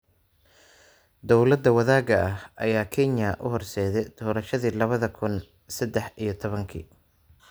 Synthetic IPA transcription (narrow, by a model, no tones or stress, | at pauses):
d̪ɔwlɐd̪ːɐwɐðaːɡɐʔɐɦʔɐ̰jaːkʰɛnjɐʔʊɦɔrsɛːðɛjd̪̥ɔːɾɐʃɐðiːlɐβɐðɐkʰʊn | sɛd̪ɛħijɞt̪ʰɔβɐŋkʰḭː